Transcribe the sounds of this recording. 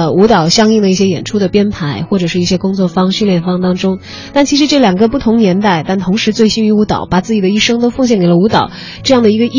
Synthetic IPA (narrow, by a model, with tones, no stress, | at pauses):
u˧˥t̪ɑ˨˩ʊɕjɑ˥ŋi˥˩ŋd̪ə˩i˥˩ɕ̬jɛ˥jɛ˨˩nʈ͡ʂʰu˥d̪ə˨pjɛ˥npʰa˧˥ɪxwɔ˥˩ʈ͡ʂɤ˨˩ʂɻ̩˥˧i˥˩ɕjɛ˥kʊ˥ŋt͡swɔ˥˩fɑ˥ŋɕy˥˧ljɛ˥˩nfɑ˥˧ŋt̪ɑ˥ŋʈ͡ʂʊ˥ŋ | t̪a˥˩nt͡ɕʰi˧˥ʂɻ̩˧˥ʈ͡ʂɤ˥˩ljɑ˨˩ŋɡə˧˦pu˥˩t̪ʰʊ˧˥ŋnjɛ˧˥nt̪a˥˩ɪt̪a˥˩nt̪ʰʊ˧˥ŋʂɻ̩˧˥t͡swe˥˩ɪɕi˥ny˧˥u˧˥t̪ɑ˨˩˦ʊpa˨˩t͡sɹ̩˥˩t͡ɕd̪ə˦i˥˩ʂɤ˥ŋt̪o˥ʊfɤ˥˧ŋɕ̬jɛ˥˩ŋke˨˩lə˦u˧˥t̪ɑ˨˩˦ʊ | ʈ͡ʂɤ˥˧jɑ˥˩ŋd̪ə˩i˧˥ɡə˧ʔi˥